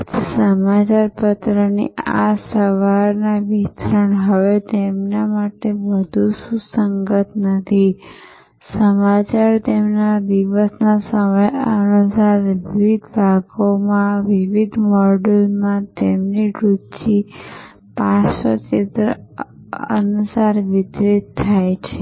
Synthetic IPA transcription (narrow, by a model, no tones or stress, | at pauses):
səmat͡ʃaɾpət̪ɾənḭa̰səʋaɾnaʋit̪ʰɾəɳɦəʋet̪emnamaʈeʋəd̪ʱuʃũsəŋɡət̪nət̪ʰi | səmat͡ʃaɾt̪emnad̪iʋəsnasəməjənusaɾʋiʋid̪ʱbʱaɡomãʋiʋid̪ʱmɔɖəlmãt̪emniɾut͡ʃi | pasət͡ʃɪt̪ɾə | ə̰nusaɾʋɪd̪ɾit̪ʰːajt͡ʃʰe